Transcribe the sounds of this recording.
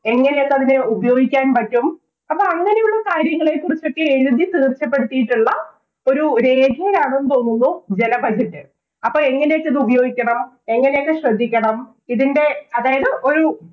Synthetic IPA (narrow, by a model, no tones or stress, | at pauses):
e̞ŋːɐnejekːɐðinɨubɐjo̞ːɡikʲːaːnpɐtːum | ɐpːɐːɐŋːɐnejuɭːɐkaːɾjɐŋːɐɭekurit͡ɕːo̞kːe̞eɾud̪it̪iːrt͡ɕːɐp̬ːe̞ɽut̪ːijiʈːuɭːɐ | o̞ɾuɾe̞ːɡʱiɐɾaːɳɐumt̪o̞ːnːunːud͡ʑe̞nɐbʱɐd͡ʑʱɐtːɨ | ɐpːoːɭe̞ŋːɐnejekːɐðɨubɐjo̞ːɡikʲːɐɳɐm | e̞ŋːɐne̞jekːɨɕrɐd̪ʱːikʲːɐɳɐm | iðinde̞ɐðaːjɐðɨʔo̞ɾu